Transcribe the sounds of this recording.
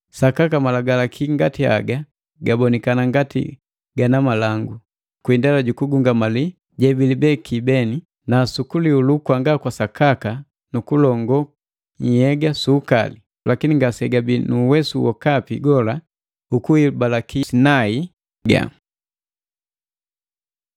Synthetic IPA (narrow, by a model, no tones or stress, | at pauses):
sakakamalaɡalakʰiŋɡatia̰ɡa | ɡabɔnɛkanaŋɡatḭ | ɡanamalaŋɡu | kwindalaɟukuɡuŋɡamali | ɟɛbilibɛkibɛni | nasukuliulukwaŋɡakwasakaka | nukulɔŋɡɔ | ɲ̩hɛɡasuːkali | lʔakiniŋɡasɛɡabinuːwɛsuwɔkapiɡɔla | ukuibalakisinai | ɡa̰